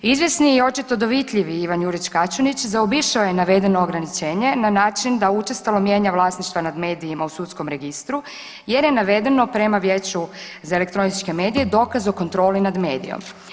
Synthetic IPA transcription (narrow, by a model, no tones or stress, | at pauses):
izʋjesniːo̞t͡ʃit̪o̞d̪oʋit̪ʎiʋiiʋanjuɾit͡ʃkat͡ʃonit͡ɕzaobiʃaojenaʋe̞d̪e̞no̞ːɡɾanit͡ʃe̞ːɲe̞nanaːt͡ʃind̪aut͡ʃest̪alo̞mje̞ːɲaʋlˠaːsniʃt̪ʋanad̪me̞ːd̪iːmausut̪sko̞mɾe̞ɡist̪ɾu | je̞ɾje̞naʋe̞d̪e̞no̞pɾe̞maʋjeːt͡ɕu | zaele̞k̚t̪ɾo̞nit͡ʃke̞me̞ːd̪ije̞d̪o̞ːkazo̞ko̞nt̪ɾo̞ːlinad̪me̞ːd̪ḭjo̰m